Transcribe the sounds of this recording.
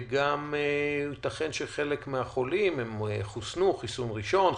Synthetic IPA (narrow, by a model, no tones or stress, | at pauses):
ɡamitaχenʃeχe̞lekmeaχo̞limhemeχusnuχisunʁiʃo̞n